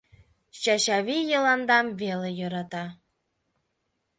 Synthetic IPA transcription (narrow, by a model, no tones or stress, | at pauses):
ɕɑɕɑβʲijɤ̆lˠɑnd̪ɑmvelʲejɤ̆ɾɑt̪ɑ